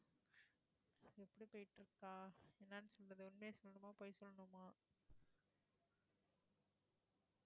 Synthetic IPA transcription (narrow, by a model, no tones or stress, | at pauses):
ɛpːɐɽipojʈːɪɾɯkːaːeːnːaːnːɯsɔlrɐðɯʊnmeːsɔlːɐnɯmaːpoːjsɔlːɐnɯmaː